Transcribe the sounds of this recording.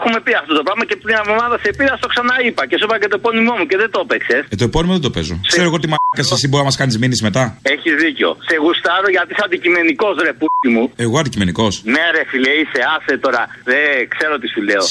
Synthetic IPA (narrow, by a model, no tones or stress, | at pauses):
xume̞piɐft̪o̞t̪o̞pɾɐvmɐcet̪ɲɐvomɐðɐsepiɾɐst̪o̞ksɐnɐipɐcesupɐɐcet̪oepo̞nimo̞muceðet̪opekse̞set̪oeponimoðed̪o̞pezo̞̰kseɾoɣo̞t̪imɐnɐkɐssiboɾizɐmɐskɐnizminizme̞t̪ɐeçizðiceo̞̰seɣust̪ɐɾoʝɐt̪isɐnd̪icime̞niko̞zɾe̞put̪imue̞ɣoɐnd̪icime̞niko̞sneɾefileiseɐset̪o̞ɾɐ | ðekse̞ɾot̪isileo